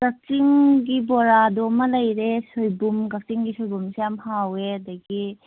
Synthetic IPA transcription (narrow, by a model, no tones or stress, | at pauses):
ɡ̥ak̚t͡ʃiŋɡibɔɾadɔmɐlɐjɾesojbumɡak̚t͡ʃiŋɡisojbumsejamhaweadaɡi